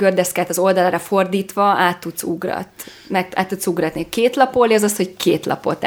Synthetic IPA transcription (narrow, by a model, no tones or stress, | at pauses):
ɡørd̪ɛskɛlt̪ɒzo̞ld̪ɒlaːɾɒfo̞rd̪iːt̪ʋɒaːt̪ːut̪suɡrɒ̰t̪ | mɛk̚t̪a̰ːt̪ːut̪suɡrɒt̪nikeːt̪lɒpoːliɒzɒsho̞ckʰeːt̪lɒ̰po̰t̪